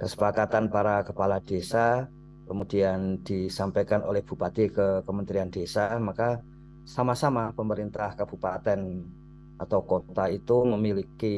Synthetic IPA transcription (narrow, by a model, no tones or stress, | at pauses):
kəsə̥pakat̪anpaɾakəpalad̥esa | kəmud̥iand̥isampajkanʔo̰lɛhb̥ṳpat̪ikəkəmənt̪ɾiandesamaka | samasamapəməɾint̪ahkab̥ṳpat̪ɛn | ʔat̪awkot̪ait̪uməmiliki